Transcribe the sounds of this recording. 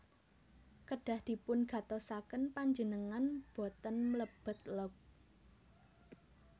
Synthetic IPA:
kəɖ̥ä̤hd̪̥i̤pʊnɡ̥ä̤t̪ɔsakənpaɲd͡ʒənəŋanb̥o̤t̪ənmələb̥ə̤t̪̚lɔk̚

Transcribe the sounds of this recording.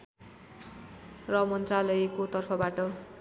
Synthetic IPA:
rʌmʌnt̪ralʌjkot̪ʌrpʰʌbaʈʌ

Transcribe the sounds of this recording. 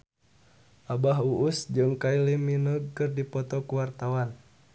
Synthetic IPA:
ʔabaɦuʔusd͡ʒɨŋkailimːinəɡ̚kɨrdipɔt̪ɔkuwart̪awan

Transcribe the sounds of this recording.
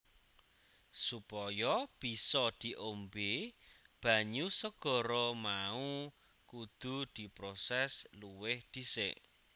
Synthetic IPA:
supɔjɔb̥i̤sɔd̪̥i̤ʔombeb̥ä̤ɲusəɡ̥ɔ̤ɾɔmau | kud̪̥ṳd̪̥i̤pɾosɛsluwɪhd̪̥i̤sḛʔ

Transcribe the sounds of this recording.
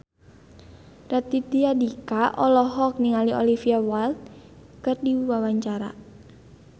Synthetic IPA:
rat̪it̪iadikaʔɔlɔɦɔk̚niŋaliʔɔlifiawalt̪̚kɨrdiwawaɲt͡ʃaɾa̰

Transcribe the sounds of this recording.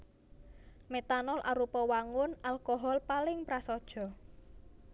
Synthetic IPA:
met̪anɔlʔa̰ɾupɔwaŋʊnalkɔɦɔlpalɪŋpɾasɔd̥ʒ̥ɔ̤

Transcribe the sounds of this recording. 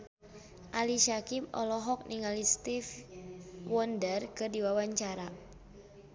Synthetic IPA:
ʔaliʃakip̚ɔ̰lɔɦɔk̚nʔiŋalist̪if | wɔndərkɨrdiwawaɲt͡ʃaɾa

